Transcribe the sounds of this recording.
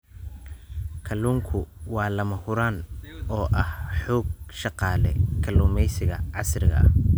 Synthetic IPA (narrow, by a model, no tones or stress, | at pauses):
kʰɐlːuːŋkʰʊwɑːlɐmɐhʊɾaːnɔːʔɐhħɔːɡ̚ʃɑqɑːlɛ̰kʰɐluːmɛjsɪɣɐʕɑsrɪɣɐ̰ʔɐ̰h